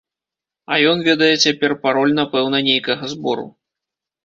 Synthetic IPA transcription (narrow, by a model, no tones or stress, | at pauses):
ɐ̰jɔnvʲɛd̪ɐjɛt͡sʲapʲɛrpaɾɔlʲnɐpɛwnɐnʲejkɐɣɐzbɔɾṵ